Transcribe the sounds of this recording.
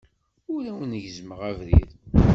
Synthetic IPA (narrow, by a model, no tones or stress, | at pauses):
ʊɾæwnəʝzməʁævɾḭð